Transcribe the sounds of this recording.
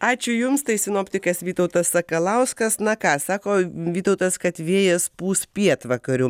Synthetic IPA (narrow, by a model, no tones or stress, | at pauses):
ɑːt͡ʃʲʊjʊmst̪ɐɪsʲɪnoːpʲt̪ʲɪkɐsʋʲiːt̪ɐʊt̪ɐsːɐkɐlˠɐʊskɐsnɐkɑːsɑːkoːʋʲiːt̪ɔʊt̪ɐskɐt̪ʋʲeːjɛspuːspʲiɛt̪ʋɐkɐɾʲʊ